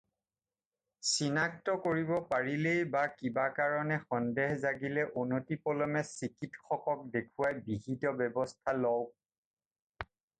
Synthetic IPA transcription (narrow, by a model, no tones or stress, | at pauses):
sinak̚tɔkoɹibɔpaɹilejbakibakaɹɔnɛxɔndɛɦzaɡilɛʔunotipɔlɔmɛsikitxɔkɔk̚dekʰuwajbiɦidɔbɛbɔstʰalɔw